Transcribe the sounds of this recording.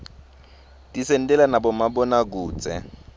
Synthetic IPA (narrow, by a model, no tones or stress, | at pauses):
tisɛn̩tʼɛlanabɔmabɔnak̬uːt͡sʼɛ̰